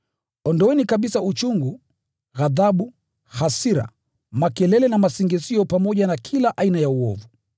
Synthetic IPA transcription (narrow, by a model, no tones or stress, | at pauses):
ɔndɔwɛnikaɓisaut͡ʃuŋɡu | ɣaðaɓu | hasiɾa̰ | makɛlɛlɛnamasiŋɡɛsiɔpamɔʄanakʰilaʔainajauɔ̰vu